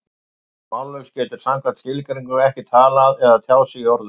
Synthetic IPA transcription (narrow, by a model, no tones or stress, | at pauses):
malːœkscɛːt̪ʏɾ̥saŋ̥kvat̪ʰɪlkaɾiŋkʏɾɛhcɪt̪ʰaːlaðɛðat̪ʰjaːwsɪiɔɾðʏ̥